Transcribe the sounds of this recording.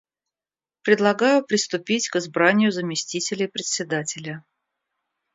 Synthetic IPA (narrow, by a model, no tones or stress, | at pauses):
pɾʲɪd̪lˠɐɡajʊpɾʲɪst̪ʊpʲitʲkɨzbɾanʲɪjʊzəmʲɪsʲtʲitʲɪlʲɪjpɾʲɪt̪sʲɪd̪atʲɪlʲə